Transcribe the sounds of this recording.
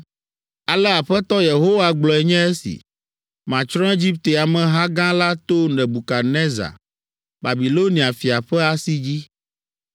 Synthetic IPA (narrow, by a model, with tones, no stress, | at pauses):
a˨lɛ˦a˨ɸɛ˦t̪ɔ˦je˨ɦo˦wa˨ɡ͡blɔ˨ɛ˨ɲɛ̃˦e˦sḭ˨ | mã˨t͡ʃɾ̃ɔ̃˦e˦d͡ʑi˦p̚t̪e˨a˨mɛ̃˨ɦa˦ɡã˦la˦t̪o˦nɛ̃˨bu˨ka˨nɛ̃˦za̰˨ | ba˨bi˨lo˦nĩ˨a˨fi˨a˨ɸɛ˦a˦si˦d͡ʑi˦